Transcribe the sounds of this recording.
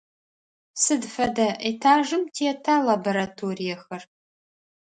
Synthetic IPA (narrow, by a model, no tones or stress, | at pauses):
sɨdfɐdɐʔitʰaːʒɨmtʰiɛtʰaːlaboɾatʰoːrijɛxɐr